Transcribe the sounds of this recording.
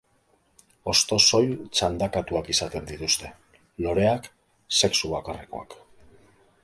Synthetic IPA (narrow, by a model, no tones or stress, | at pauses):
o̞st̪o̞so̞jt͡ʃand̪akat̪uakisat̪e̞nd̪it̪ust̪e̞ | lo̞ɾe̞ak | se̞ksuβakare̞ko̞̰a̰k